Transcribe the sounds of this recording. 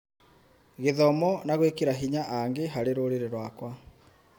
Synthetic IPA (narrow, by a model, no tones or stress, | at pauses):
ɣeðɔmɔnaɣwekiɾaɦiɲaʔaŋɡeɦaɾeɾoɾiɾeɾwakwa